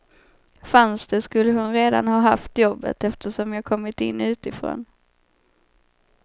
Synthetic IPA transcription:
fansd̪̥ɛskɵlːəhʊnɾeːd̪a̰nhɑːɦaft̪jɔbːə̰t̪ɛft̪əʂɔmjɑːɡkʰɔmːɪt̪ɪ̰nːʉ̟ːt̪ɪfɾo̰ːn

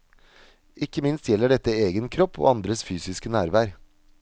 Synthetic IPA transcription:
ʔɪkːəmɪnst̪jɛlːəɖɛt̪ːəeːɡənkʰɾɔpʰːo̰ːɑnd̪ɾəsfyːsɪskənæːɾʋæːɾ

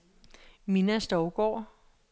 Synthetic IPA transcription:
minæsd̥ɒʊɡ̥ɒ̰ː

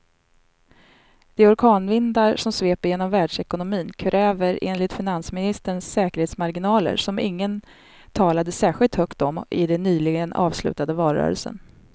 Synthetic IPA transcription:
d̪̥ɛɔɾkʰɑːnvɪnd̪aɾʂɔmsveːpəɾjeːnɔmvæːɖʂɛkʊnʊmiːnkʰɾɛːvəɾḛːnlɪt̪fɪnansmɪnɪst̪əɳsːɛːkəɾheːt̪smaɾɡɪnɑːlə̰ɾʂɔmɪŋːən | t̪ʰɑːlad̪əsæːɧɪlt̪hœkt̪ɔmɪd̪ɛnːyːlɪɡənɑ̰ːvslʉ̟̰ːt̪ad̪əvɑːɾœ̰ːɾə̰lsə̰n

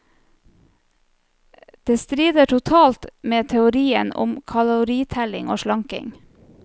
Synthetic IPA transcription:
d̪̥eːst̪ɾiːd̪əʈʰʊt̪ʰɑːlt̪meːt̪ʰɛʊɾiːə̰nʊ̰mkʰɑlʊʊɾiːt̪ʰælɪŋo̰ːʃlɑŋkɪ̰ŋ

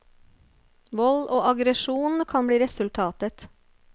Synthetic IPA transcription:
ʋɔloːʔɑɡɾəʃuːnn̩kʰɑnbɽiːɾɛsʉlt̪ʰɑːt̪ət̪

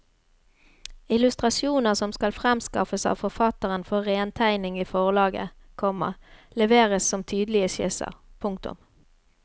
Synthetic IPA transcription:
ɪlʉst̪ʁɑsjuːnəʁsɔmskɑlfʁɛmskɑ̰fəsɑ̰ːʋfɔʁfɑt̪əʁənfɔʁeːnt̪ʰæɪnɪŋiːfɔʁlɑːɡə̰ | kʰɔmːə̰ʁlɛʋeːʁəssɔmt̪ʰyːd̪lɪəsɪsə̰ʁpʰʊŋkt̪ʊ̰m

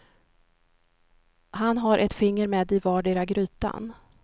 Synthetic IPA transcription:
hanɦaɾʔɛt̪fɪŋːəɾmeːd̪ɪvɑːɖeːɾaɡɾyːt̪a̰n

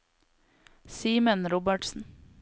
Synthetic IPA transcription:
siːmənɾɔbəʈsn̩

